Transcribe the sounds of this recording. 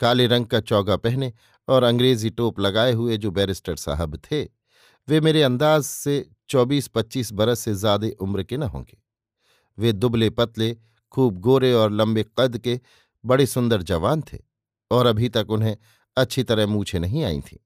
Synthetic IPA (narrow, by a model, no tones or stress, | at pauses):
kaːleɾɐ̃ŋɡ̚kat͡ʃɔːɡapɛɦne | ɔːɾɐ̃ŋɡɾeːziʈoːplɐɡaːeɦʊed͡ʒoːbɛːɾɪsʈəɾsa̰ːɦəbt̪ʰe | ʋemeːɾeɐ̃nd̪aːzse | t͡ʃɔːbiːspɐtːʃiːsbɐɾəssezjaːd̪eʔʊmɾkenɐɦõ̰ːŋɡe̥ː | ʋed̪ʊblepɐt̪le | kʰuːb̚ɡoːɾeɔːɾlɐ̃mbeqɐd̪ke | bɐɽesʊ̃nd̪əɾd͡ʒɐʋaːnt̪ʰḛː | ɔːɾɐbʱit̪ɐkʊnɦẽ | ɐtːʃʰit̪ɐɾəɦmũːt͡ʃʰenɐɦĩaːḭ̃t̪ʰḭː